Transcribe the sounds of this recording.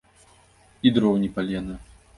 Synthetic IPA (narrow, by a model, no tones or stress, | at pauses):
id̪ɾɔwnʲipalʲɛnɨ